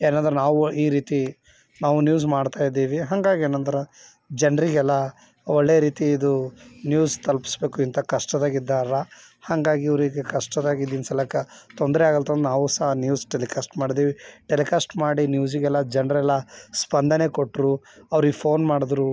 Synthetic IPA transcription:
eːnaːnd̪ɐɾenaːʋuiːɾiːt̪i | naːʋunjuːzmaːɽt̪aːjid̪ːiːʋiɦɐŋɡaːɡieːnɐnd̪ɐɾɐ | d͡ʒɐnɾiɡɛlːɐ | ɔɭːejɾiːt̪iid̪unjuːst̪ɐlpi̥sbe̞ːkuint̪ɐkɐʂʈɐd̪aːɡid̪ːaːɾɐ | hɐŋɡaːɡiɐʋɾiɡekɐʂʈɐd̪aːɡid̪ːinsɐlɐkɐt̪ond̪ɐɾɛaːɡɐlt̪ʰɐnd̪naːʋusɐɦɐnjuːsʈelikaːsʈmaːɽid̪iːʋiʈelikaːsʈmaːɽinjuːziɡɛlːɐd͡ʒɐnɾɛlːɐspɐnd̪ʱɐne̞koʈːɾu | ɐʋɾiɡepʰo̞ːnmaːɽid̪ɾu

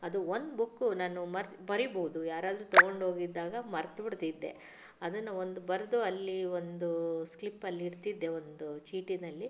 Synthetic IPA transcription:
ɐd̪uo̞nd̪bukːunaːnumɐɾ | bɐɾiboɦud̪ujaːɾaːd̪ɾut̪ɐɡo̞ɳɖɦoːɡid̪ːaːɡɐmɐɾt̪ɐbiɽt̪id̪ːe̞̰ | ɐd̪ɐnːɐo̞nd̪ubɐɾɐd̪uɐlːio̞nd̪usklipːɐlːiːɽt̪id̪ːe̞o̞nd̪ut͡ʃiːʈinɐlːi

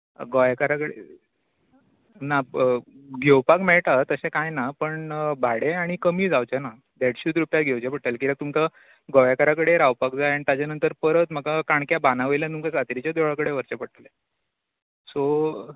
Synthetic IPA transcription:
ɡɔjakaɾakəɽḛ | na | ɡʱewpakmɛɭʈat̪əsẽkãjnapəɳbʱaɽeaɽ̃ikəmiːd͡zawt͡ɕana | d̪eɽɕut̪ɾupjat̪ɡʱewt͡ɕepəɽt̪əlkiɾak̚t̪umka | ɡɔjakaɾakəɽeɾawpakd͡zajaɳit̪at͡ɕanənt̪əɾpəɾət̪məkakaɳkjabanaʋəjlant̪umkasat̪ɾit͡ɕjad̪oɭakəɽeʋəɾt͡ɕapəɽt̪le | so

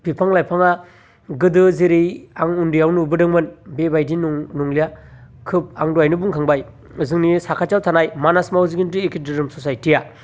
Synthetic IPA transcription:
pipʰaŋlajpʰaŋa | ɡɯdɯzeɾijaŋundijawnubɯdɯŋmɯnbebajdinnuŋlijakʰɯp̚aŋduajnɯbuŋkʰaŋbaj | ɯzɯŋnisakʰat͡ʃawtʰanajmanasmawziɡintiekʰidɯɾɯmsosajtʰija

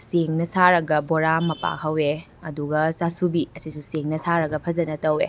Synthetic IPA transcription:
seŋnɐsaɾɐɡɐboɾamɐpa̰kʰɐwe | ɐduɡɐsasubiɐsisuseŋnɐsaɾɐɡɐpʰɐzɐnɐtɐwe

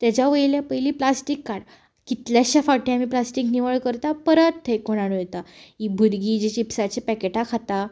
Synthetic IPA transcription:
t̪jat͡ɕjaʋəjljapəiliːplasʈikːaɽ | kit̪ljaɕafaʈĩamiplasʈikniʋəɭkəɾt̪apəɾət̪ʰːejkoɽ̃aɽũjet̪aibʱud̪ɡiːd͡ʑet͡ɕipsat͡ɕepɛkeʈakʰat̪a

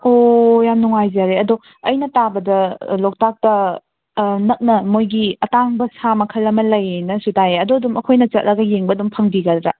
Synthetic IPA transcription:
ojamnuŋajzaɾeɐdo | ɐjnɐtabɐdɐlok̚tak̚tɐ | nɐk̚nɐmojɡiɐtaŋbɐsamɐkʰɐlːɐmɐlɐjenɐsutajeɐdoɐdumɐkʰojnɐt͡ʃɐt̚ɾɐɡɐjeŋbɐdumpʰɐŋbiɡɐdɾɐ

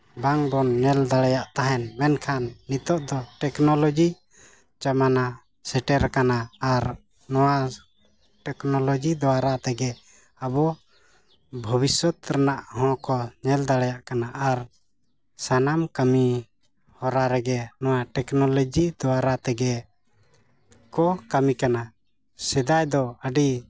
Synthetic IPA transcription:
baŋbɔnːɛld̪aɽajaʔt̪aɦɛnmɛnkʰanːit̪ɔʔd̪ɔʈɛknɔlɔd͡ʒi | t͡ʃamana | sɛʈɛɾkanaːɾ | nɔwa | ʈɛknɔlɔd͡ʒid̪ɔwaɾat̪ɛɡɛ | abɔ | bʱɔbisɔt̪ɾɛnaʔhɔ̃kɔɲɛld̪aɽajaʔkanaʔaɾ | sanamkami | hɔɾaɾɛɡɛnɔwaʈɛknɔlɔd͡ʒid̪ɔwaɾat̪ɛɡɛ | kɔkamikana | sɛd̪ajd̪ɔəɖi

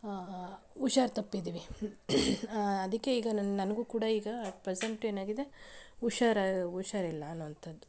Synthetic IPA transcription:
uʃaːɾt̪ɐpːid̪iːʋi | ɐd̪ɐkːe̞iːɡɐnɐnɐɡuːkuːɽɐiːɡɐpɾeseɳʈe̞ːnaːɡid̪e̞uʂaːɾauʃaɾilːɐːnːuʋɐnt̪ʰɐd̪ːu

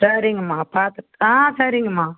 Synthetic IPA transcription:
sɐɾiŋɡɐmaːpaːɾt̪ɯãːsɐɾɪŋɡɐmaː

